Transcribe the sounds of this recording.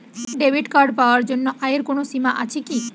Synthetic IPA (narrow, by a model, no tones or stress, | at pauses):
ɖebʱiɖkaɾɖpaoaɾd͡ʑonːoʔajeɾkonosimaʔa̰t͡ɕʰeki